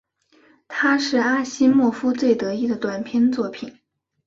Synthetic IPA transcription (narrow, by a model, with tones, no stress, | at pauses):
t̪ʰa˥ʂɻ̩˥˩a˥ɕi˥mwɔ˥˩fu˥t͡swe˥˩ɪt̪ɤ˧˥i˥˩d̪ə˩t̪wa˨˩npʰjɛ˥nt͡swɔ˥˩pʰi˨˩˦n